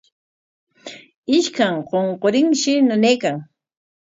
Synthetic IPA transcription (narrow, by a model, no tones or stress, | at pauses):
ɪʃkaŋqoɴqoɾɪŋʃɪnaneːkaŋ